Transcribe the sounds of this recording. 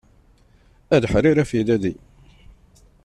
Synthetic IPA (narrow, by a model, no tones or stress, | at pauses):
æd̪ħɾiɾæfid̪æd̪i